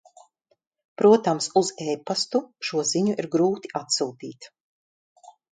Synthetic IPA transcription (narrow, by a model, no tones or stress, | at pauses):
pɾuɔt̪amsuzɛːpast̪uʃuɔziɲuʔiɾɡɾuːt̪i̥ʔat̪suːt̪ḭːt̪